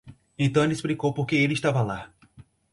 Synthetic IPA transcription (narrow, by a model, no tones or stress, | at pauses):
ẽt̪ɐ̃w̃elɪsplikowpoɾkeelɪiʃt̪avɐla